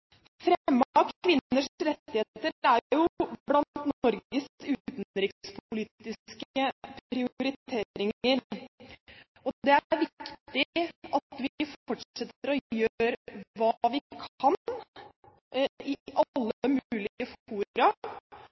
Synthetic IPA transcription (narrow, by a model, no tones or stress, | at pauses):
fɾɛmːɑkʋɪnəʂɾɛt̪ːɪheːt̪əæɾjʊblɑnt̪t̪nɔɾɡəsʉːtt̪nɾɪkspʰʊliːt̪ɪskəpɾɪʊɾɪt̪ʰeːɾɪŋəɾ | ɔd̪ɛæɾʋɪkkt̪t̪ɪʔɑt̪ʋɪfɔʈʂɛt̪ːəɾɔjøɾʋɑːʋɪkʰɑn | ɪʔɑlːəəəmʉːlɪəfuːɾɑ